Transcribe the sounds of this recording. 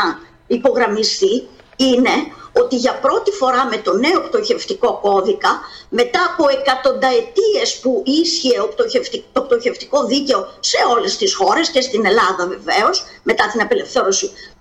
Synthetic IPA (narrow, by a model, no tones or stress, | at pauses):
ɐ | ipo̞ɣɾɐmist̪i | ine̞o̞t̪iʝɐpɾo̞t̪ifo̞ɾɐme̞t̪o̞ne̞okt̪o̞çe̞ft̪iko̞ko̞ðikɐme̞t̪ɐːpo̞e̞kɐt̪o̞nd̪ɐe̞t̪ie̞spuʔisçieot̪oeft̪it̪ok̚t̪o̞çe̞ft̪i̥ko̞ðice̞o̞se̞o̞le̞st̪isxo̞ɾe̞sce̞st̪ine̞lɐðɐve̞ve̞o̞sme̞t̪ɐt̪inɐpele̞fθe̞ɾo̞si